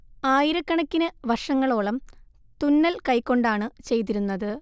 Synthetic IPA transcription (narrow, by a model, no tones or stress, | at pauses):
aːjiɾɐkːɐɳɐkːinɨʋɐrʂɐŋːɐɭoːɭɐm | t̪unːɐlkɐjkːo̞ɳɖaːɳɨt͡ɕe̞jt̪̬iɾunːɐðɨ